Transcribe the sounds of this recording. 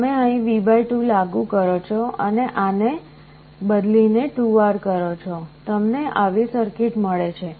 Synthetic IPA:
meəĩʋibʱajʈulaɡũkəɾot͡ʃʰoə̰neʔane | bəd̪lineʈuʋaɾkəɾot͡ʃʰot̪əmneʔaʋisəɾkɪʈməɭet͡ʃʰe

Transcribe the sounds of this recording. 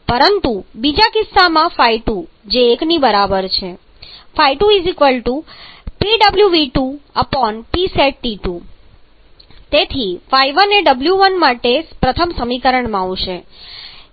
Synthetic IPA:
pəɾənt̪ubid͡ʒakɪsːamãfaiʈud͡ʒeːknibəɾabəɾt͡ʃʰe | faijʈuizikʋəlʈupiɖəbljuʋiʈuəpɔnpiseʈːiʈu | t̪et̪ʰifajʋəneɖəbljuʋənmaʈespɾət̪ʰəmsəmikəɾəɳmãaʋʃe

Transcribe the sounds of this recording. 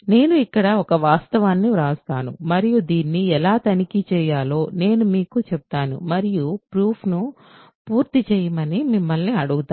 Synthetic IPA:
ne̞ːnuikːɐɽɐɔkɐʋaːst̪ɐʋaːnːiɾaːst̪aːnṵmɐɾijud̪iːnːiɛlaːt̪ɐnikit͡ʃɛːjaːlo̞ːne̞ːnumiːkut͡ʃɛput̪aːnṵmɐɾijupɾuːpʰnu | puːɾt̪it͡ʃɛːjɐmɐnimimːɐlniɐɽuɡut̪aː

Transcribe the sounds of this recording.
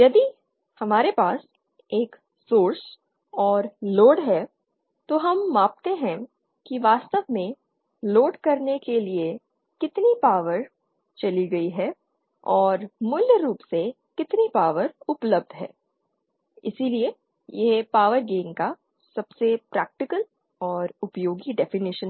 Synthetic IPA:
jɐd̪i | hɐmaːɾepaːs | eːk | soːɾs | ɔːɾloːɖɦɛː | t̪oɦɐmːãːp̚t̪eɦɛ̃ | kiʋaːst̪əʋmẽ | loːɖkɐɾnekelie | kɪt̪nipaːʋəɾ | t͡ʃɐliɡɐiɦɛː | ɔːɾmʊljəɾuːpse | kɪt̪nipaːʋəɾʊpləb̚d̪ʱɦɛ̰ː | ɪ̰silie | jeɦpaːʋəɾɡeːŋka | sɐbsepɾɛːk̚ʈɪkəl | ɔːɾʊpjoːɡiɖɛfɪnɪʃə̃n

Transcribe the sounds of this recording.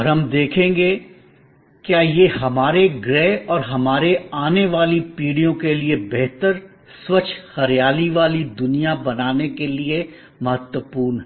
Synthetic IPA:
ɔɾɦɐmd̪eːkʰẽːŋɡe | kjaːjeːɦɐmaːɾeɡɾɛːɔːɾɦɐmaːɾeaːneʋaːlipiːɽijõkeliebɛɦt̪əɾ | swɐt͡ʃʰxɐɾijaːliʋaːlid̪ʊnijabɐnaːnekelie | mɐɦət̪wəpuːɾnɦɛ

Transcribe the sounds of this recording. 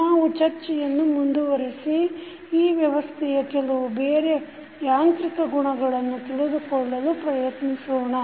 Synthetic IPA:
naːʋut͡ʃɐɾt͡ʃɛjɐnːumund̪uʋɐɾisi | iːʋjɐʋɐst̪ʰɛjɐkɛlɐʋubeːɾe | jaːnt̪ɾikɐɡuɳɐɡɐɭɐnːut̪iɭed̪ukɔɭːɐlupɾɐjɐt̪nisuːɳɐ

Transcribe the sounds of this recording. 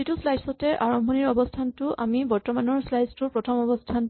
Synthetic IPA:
zituslajsɔtɛʔaɹɔmbʱɔniɹɔbɔstʰantʊʔamibɔɹtɔmanɔɹslajstʊpɹɔtʰɔmɔbɔstʰan

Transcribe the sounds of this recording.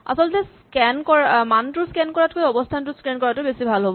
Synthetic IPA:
a̰sɔltɛs | kɛnkɔɹmantʊskɛnkɔɹatkojɔbɔstʰantʊskɹɛnkɔɹatʊbesibʱalɦobɔ

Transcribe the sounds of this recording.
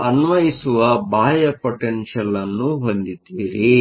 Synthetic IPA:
ɐnʋɐjisuʋɐbaːjɐpoʈenʃɐlːɐnːuɦond̪id̪iːɾi

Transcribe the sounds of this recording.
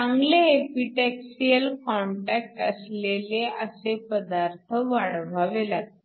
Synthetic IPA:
ãŋɡleepiʈɛksijəlkɔɳʈæk̚ʈə̰sleleəsepəd̪aɾt̪ʰəʋaɽbʱaʋelat̪

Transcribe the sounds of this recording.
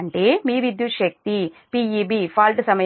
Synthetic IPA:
ɐɳʈeːmiːʋid̪juʃɐk̚t̪i | piːiːbiːpʰaːlʈɨsɐmɐj

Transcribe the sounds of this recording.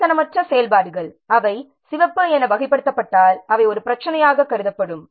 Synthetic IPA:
t̪ɐnɐmɐʈrɐsɛjɐlpaːɽɯɣɐɭ | ɐʋɐɪ | sɪʋɐpːɯɛnɐʋɐɣɪpːɐɽɯt̪ːɐpːɐʈːaːlɐʋɐɪɔɾɯpɪɾɐt͡ʃːɐnɐjaːɣɐkːɐɾɯðɐpːɐɽɯm

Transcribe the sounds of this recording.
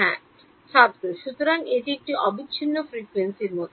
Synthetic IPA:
ɛ̃ | ʃaɾt̪ɾoʃut̪oɾaŋeʈiek̚ʈiʔɔbiɕʰinːofɾikuwensiɾmot̪ʰo

